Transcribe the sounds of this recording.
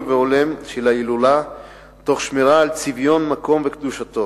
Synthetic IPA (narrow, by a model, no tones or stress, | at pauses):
veolemʃelailula | t̪o̞χʃmeʁaːlt͡sivjo̞nmako̞mvekd̪uʃat̪o̞